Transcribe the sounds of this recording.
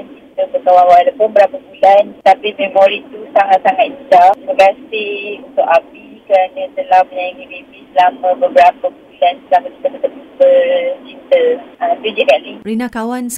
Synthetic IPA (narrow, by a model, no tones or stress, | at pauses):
nkit̪əp̪əkawanwalapʊnbəɾapabulant̪apimemoɾit̪usaŋat̪saŋat̪̚t͡ʃabəkasɪunt̪ʊʔapikəɾanãt̪əlahməɲajiŋibebisəlamə̃bəbəɾapəbulanslakaki̥t̪akət̪ət̪upərd͡ʒit̪ələmd̪id͡ʒikalirinakawans